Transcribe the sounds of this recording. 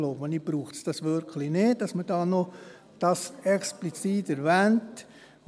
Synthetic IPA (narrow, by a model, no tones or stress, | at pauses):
loʊbonib̥ɾuːxtsd̥ɑsʋʏɾkʰlɪneːd̚dɑsməd̥ɑːno | d̥ɑsɛksplit͡siːtɛɾvɛnt